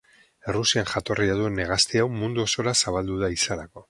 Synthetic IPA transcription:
e̞rusianʝat̪o̞riað̞ue̞neɣ̞ast̪eawmund̪uoso̞ɾasaβ̞ald̪uð̞aisalako̞

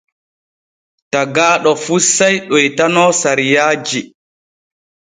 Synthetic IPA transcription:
taɡaːɗɔfusajɗɔjtanɔːsaɾijaːd͡ʒi

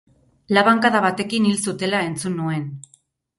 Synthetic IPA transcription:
laβaŋkaðaβat̪e̞kinilsut̪e̞lae̞nt͡sunːue̞n

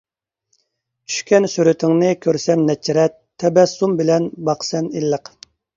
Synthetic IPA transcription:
t͡ʃʰy̥ʃkʲɛnsyɾyt̪ʰɪŋnɨɪkʲʰøɾsɛmnɛt͡ʃʰːiɾɛt̪ʰːɛbɛsːumbɪlɛnbɑqsɛnilːəq

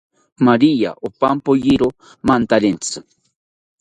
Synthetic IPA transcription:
maɾija̰ʔopampojiɾo | mant̪aɾent͡sɨ̥

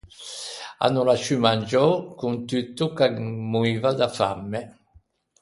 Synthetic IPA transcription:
a̰nulaʃymand͡ʒɔkuŋt̪yt̪ːukamuiːvad̪afa̰mːe

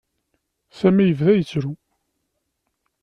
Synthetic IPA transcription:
sæmijəvðæjət͡sːɾu

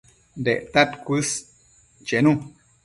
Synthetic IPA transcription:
nd̪eʔt̪at̪kʷɨs | t͡ʃenũ

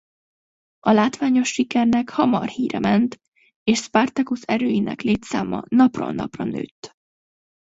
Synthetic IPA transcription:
ɒlaːt̪ʋaːɲo̞ʃːikɛrnɛkhɒmɒrhiːɾɛmɛnt̪ | eːʃspart̪ɛkusɛɾøːjinɛ̰kleːt̪sa̰ːmɒ̰nɒprɒ̰nɒ̰prɒnø̰ːt̪ː

